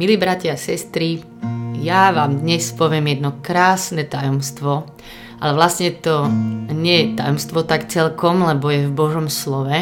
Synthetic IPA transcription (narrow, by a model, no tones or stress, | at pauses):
miliːbɾacasɛst̪ɾi | jaʋaːmd̪ɲɛspɔʋɪɛmjɛd̪nɔkɾaːsnɛt̪ajɔmst̪ʋɔ | ʔa̰lɛʋlasɲɛt̪ɔɲɪɛjɛt̪ajɔmst̪ʋɔt̪akt͡sɛlkɔmlɛbɔjɛvbɔʒɔmslɔʋɛ